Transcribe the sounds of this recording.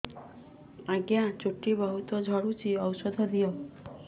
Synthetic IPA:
aɡjãt͡ʃuʈːibɔɦut̪ɔd͡ʒʱɔɽut͡ʃiɔwsɔd̪ʱɔd̪ijɔ

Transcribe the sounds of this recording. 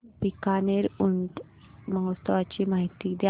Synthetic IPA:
pikaneɾunt̪ | maɦst̪əʋat͡ɕiːmaɦit̪id̪ja

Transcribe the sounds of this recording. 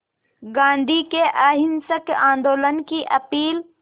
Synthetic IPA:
ɡãːnd̪ʱikeʔaːɦɪnsəkãːnd̪oːlənkiʔɐpiːl

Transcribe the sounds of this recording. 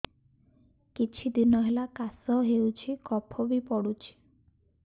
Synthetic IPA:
kit͡ʃʰid̪inɔɦelakasɔɦewt͡ʃʰikɔpʰɔbipɔɽut͡ʃʰi̥

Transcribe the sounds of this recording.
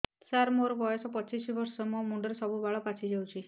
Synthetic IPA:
saɾmoɾɔbɔjɔsɔpɔt͡ʃisibɔɾsɔmomuɳɖɔɾsɔbubaɭɔpat͡ʃʰid͡ʒawt͡ʃʰi

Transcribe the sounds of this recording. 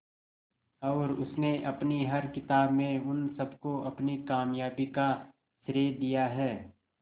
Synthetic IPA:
ɔːɾʊsneʔɐpniɦɐɾkɪt̪aːbmẽʊnsɐbkoʔɐpnikaːmjaːbika | sɾeːd̪ijaɦɛː

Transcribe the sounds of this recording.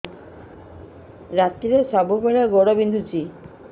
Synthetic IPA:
ɾat̪ːiɾesɔbubeɾeɡoɽobind̪ʱut͡ɕi

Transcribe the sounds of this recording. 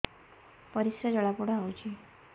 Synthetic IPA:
pɔɾisjɔd͡ʒɔɭapuɽɔawt͡ʃʰi

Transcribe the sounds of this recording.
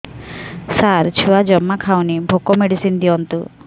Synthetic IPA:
saɾt͡ʃʰuad͡ʒɔmːakʰawnibʱokɔmeɽisind̪iɔnt̪u

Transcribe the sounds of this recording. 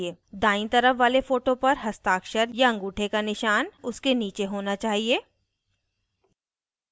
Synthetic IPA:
eːd̪aːɪ̃t̪ɐɾəfʋaːlefoːʈõpɐɾɦɐst̪aːkʃəɾjaɐ̃ŋɡuːʈʰekanɪʃaːnʊskeniːt͡ʃeɦoːnat͡ʃaːɦieː

